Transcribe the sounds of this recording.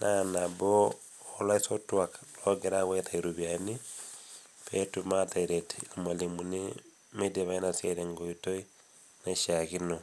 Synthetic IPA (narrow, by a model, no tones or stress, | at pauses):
nʔanaboː | laisotwaklwoɡeɾaɣwetaiɾuβjani | petumataiɾetilimalimuni | medeβainasjeɾeŋɡoitoi | neʃaɣino